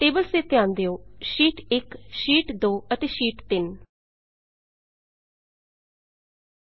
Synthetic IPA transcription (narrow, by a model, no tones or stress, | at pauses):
ʈeːbəlseːt̪eãːnd̪eːoːʃiːʈɪkʃiːʈd̪oːət̪eːʃiːʈt̪ɪn